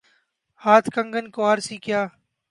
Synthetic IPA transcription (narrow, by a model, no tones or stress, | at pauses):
haːt̪ʰkə̃ŋɡənkoːɦəɾsiːkjaː